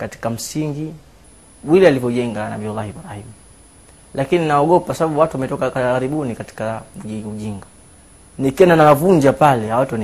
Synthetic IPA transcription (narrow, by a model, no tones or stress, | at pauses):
kati̥kam̩siŋɡi | wilɛalivɔʄɛŋɡana̰ɓiɔlahibuɾahim | lakininaɔɠɔpasaɓaɓuwatuwamɛtɔkakaaɾiɓunikati̥kauiuʄiŋɡa | nikiɛndanawavuɲd͡ʒapalɛawatn